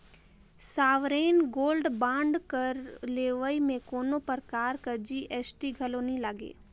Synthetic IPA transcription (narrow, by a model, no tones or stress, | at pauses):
saːʋɾeːnɡoːlɖbãːɳɖkəɾleːʋəimẽkoːnopəɾkaːɾkɐɾd͡ʒiʔɛːsʈiɡʱɐloːnĩlaːɡḛː